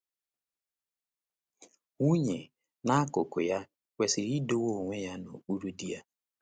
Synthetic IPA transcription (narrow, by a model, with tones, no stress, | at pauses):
u˦ɲe˨ | na˦a˦kʊ˨kʊ˨ja˦ | wʷe˨sɪ˨ɾi˦do˦wo˦˨ŋʷe˦ja˦no̰˨k͡pu˦ɾu˦di˦a˦